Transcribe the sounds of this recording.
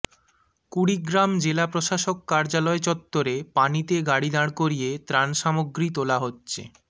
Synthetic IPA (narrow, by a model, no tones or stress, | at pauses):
kuɽiɡɾamd͡ʑelapɾoʃaʃokːaɾd͡ʑalɔet͡ɕɔt̪ːoɾepanit̪eɡaɽid̪aɽ̃koɾijet̪ɾanʃamoɡɾit̪olaɦotːɕʰḛ